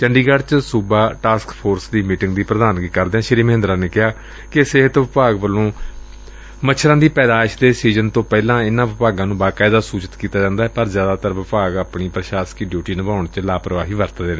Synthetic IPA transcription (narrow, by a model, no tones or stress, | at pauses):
t͡ʃəɳɖiːɡaɖt͡ʃsuːbaːʈaːskpʰoːɾsd̪iːmiːʈɪ̃ŋɡd̪iːpɾəd̪aːnɡiːkəɾd̪eːãːʃɪɾiːmɦɪnd̪ɾãːneːkɪɦaː | kɪsɪɦət̪ʋɪpaːɡʋəlːõː | mətːʃʰɾãːd̪iːpɛːd̪aːɪʃd̪eːsiːzənt̪õːpɛːlãːɪnãːʋɪpaːɡãːnũːbaːkaːd̪aːsuːt͡ʃət̪kiːt̪aːd͡ʒãːnd̪aːɛːpəɾzjaːd̪aːt̪əɾʋɪpaːɡaːpɳiːpɾəʃaːskiɖjuːʈiːnəʋãːʊɳt͡ʃlaːpɾəʋaːɦiːʋəɾt̪ːd̪eːnː